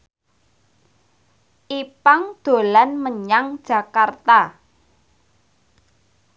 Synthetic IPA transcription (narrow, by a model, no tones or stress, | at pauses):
ʔipaŋd̪̥o̤lanməɲaŋd̥ʒ̥ä̤kart̪a